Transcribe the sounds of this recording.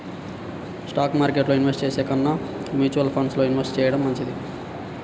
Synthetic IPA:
sʈaːkmaːɾkeʈloinʋesʈt͡ʃesekɐnːa | mut͡ʃuɐlpʰonsloinʋesʈt͡ʃejɐɽʌmːɐnt͡ʃʰid̪i

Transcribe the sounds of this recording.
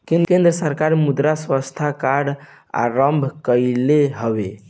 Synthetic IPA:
kenkend̪ɾəsəɾkaɾmud̪ɾaswəst̪ʰakaɽ | a̰ɾəmbʱkəleɦəbe

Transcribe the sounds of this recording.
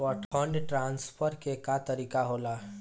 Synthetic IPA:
ɔʈʰɔ̃ɳɖʈɾãːnspʰəɾkekat̪əɾiːkaɦoːla

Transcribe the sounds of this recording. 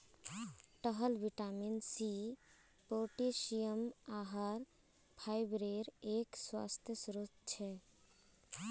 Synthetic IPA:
ʈəɦəlbiʈaminsi | poʈesijəmaɦəɾ | pʰajbɾeɾekswa̰st̪ʰjəsɾut̪̚t͡ʃʰɛ

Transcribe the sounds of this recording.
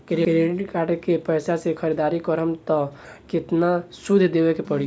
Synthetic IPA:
kɾeɾeʈkaʈkepəɪsasekʰəɾid̪aːɾikɔɾəmt̪ɔ | kɪt̪nasud̪ʱd̪eʋekepəɽi

